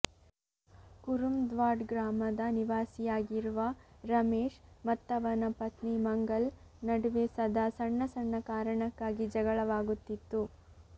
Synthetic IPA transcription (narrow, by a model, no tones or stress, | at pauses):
kuɾumd̪ʋaːɖɡɾaːmɐd̪ɐniʋaːsijaːɡiɾuʋɐɾɐmeːʂmɐt̪ːɐʋɐnɐpɐt̪nimɐŋɡɐɭ | nɐɽuʋeːsɐd̪ʱɐsɐɳːɐsɐɳːɐkaːɾɐɳɐkːaːɡid͡ʒɐɡɐɭɐʋaːɡut̪ːit̪ːu